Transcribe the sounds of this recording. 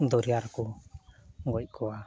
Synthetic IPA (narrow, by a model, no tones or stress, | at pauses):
d̪ɔɾijaɾkɔ | ɡɔc̚kɔwa